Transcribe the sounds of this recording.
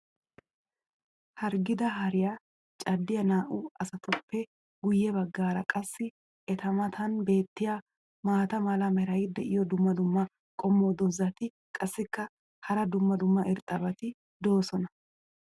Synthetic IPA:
hɐɾɡɪd̪ɐɦɐɾɪjɐ | t͡ʃʼɐd̪ːɪjɐnaːʔuɐsɐt̪ʰɔpːɛ | ɡʊjːɛbɐɡːaːɾɐkʼɐsːɪ | ʔɛt̪ɐmɐt̪ʰɐnbe̞ːt̪ːɪjɐ | maːt̪ɐmɐlɐmɛɾɐjɪd̪ɛ̰ʔɪjɔd̪ʊmːɐd̪ʊmːɐ | kʼɔmːoːd̪ɔzɐt̪ɪ | kʼɐsːɪkːɐ | hɐɾɐd̪ʊmːɐd̪ʊmːɐʔɪɾt̪ʼɐbɐt̪ɪ | d̪o̞ːsɔnɐ

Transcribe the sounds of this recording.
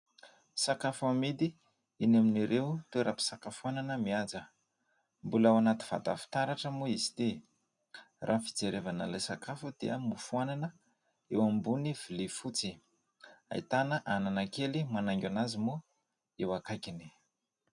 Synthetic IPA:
sakafuamid̪i | inaminiɾʔeut̪ueɾʔapi̥sakafuananəmiazə | mbulawanat̪i̥v̥a̰d̪a̰fi̥t̪aɾaʈ͡ʂəmuizi̥t̪i | rʔafi̥d͡zeɾevanəlajsakafud̪̥ḭə̰mufuananə | ewambuniv̥ilefut͡si | a̰ḭt̪anəʔananakelimanaŋɡʲanazimu | ewakajkini̥

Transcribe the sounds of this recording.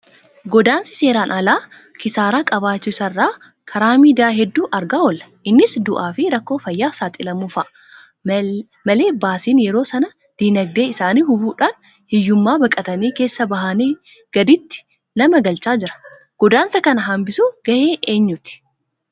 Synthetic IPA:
ɡɔd̪aːnsɪ̥se̞ːɾaːnʔɐlaː | kɪsaːɾaːkʼɐβaːt͡ʃːɪsɐrːaː | kʰɐɾaːmiːd̪aːɦɛd̪ːuːʔɐɾɡaːɔlɐ̥ʔɪnːɪsd̪ʊʔaːfɪɾɐkːo̞ːfɐjːaːsaːt̪ʼɪlɐmufɐ | mɐle̞ːbaːsiːnjɛɾo̞ːsɐnɐ | d̪̥iːnɐɡ̚d̪e̞ːɪsaːniːhʊbuːᶑaːn | hɪjːʊmːaːbɐkʼɐt̪ɐniːke̞ːsːɐbɐɦaːneː | ɡ̥ɐd̪ɪt̪ːɪ̥ | nɐmɐɡɐlt͡ʃaːd͡ʒɪɾɐ̥ | ɡ̥ɔd̪aːnsɐkɐnɐɦɐmbɪsuːɡ̥ɐheːʔe̞ːɲːʊt̪ɪ̥

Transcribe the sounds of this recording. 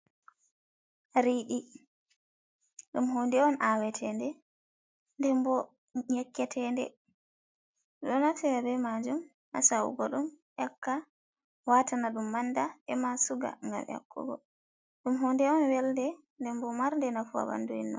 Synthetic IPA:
ɾiɗi | ɗumɦondɛɔnʔawɛtʰɛndɛ | ndɛmbɔ | ɲɛkːɛtʰɛndɛ̰ | ɗɔnatɛwabɛmad͡ʒum | ʔa̰saṵɡɔɗumʔakːa | watanaɗumːandaɛmasuɡa̰ŋɡa̰mja̰kːɔ̰ɡɔ̰ | ɗumɦondɛɔnwɛldɛ | ndɛmbɔmaɾndɛnafua̰wa̰nduḭnːɔ̰n

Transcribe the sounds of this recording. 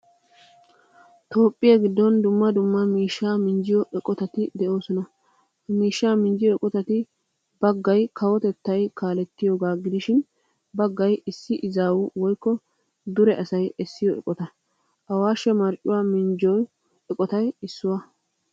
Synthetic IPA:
t̪o̞ːpʼːɪjaɡɪd̪ːɔnd̪ʊmːɐd̪ʊmːɐmiːʃːaːmɪnd͡ʒɪjɔʔɛkʼɔt̪ɐt̪ɪd̪ɛʔo̞ːsɔnɐ | miːʃːaːmɪnd͡ʒɪjɔɛkʼɔt̪ɐt̪ɪ | b̥ɐɡːɐjkʰɐwɔt̪ɛt̪ːɐjkaːlɛt̪ːɪjoːɡaːɡɪd̪ɪʃɪn | bɐɡːɐjɪsːɪʔɪzaːwuwɔjkːɔ | d̪ʊɾɛʔɐsɐjɛsːɪjɔʔɛ̰kʼɔt̪ɐ | ʔɐwaːʃɛmɐɾt͡ʃʼːʊwaːmɪnd͡ʒɔj | ɛkʼɔt̪ɐjɪsːʊwɐ

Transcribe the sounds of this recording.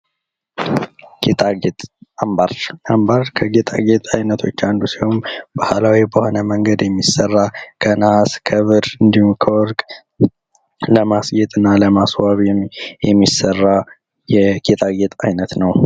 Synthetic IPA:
ɡ̥et̪ʼʰaɡet̪ʼambaɾambaɾkʰəɡet̪ʼʰa̰ɡet̪ʼajnət̪ʰo̞t͡ʃːand̪usihombahalawibəho̞nəməŋɡəd̪jɛmːisːərːakʰənaskʰəβɨɾɨnd̪ihumkʰəwɔɾkʼ | ləmasjɛt̪ʼɨnːaləmaswaβɛjɛmːisərːa | jɛɡ̥et̪ʰʼaɡet̪ʼajnət̪nəw

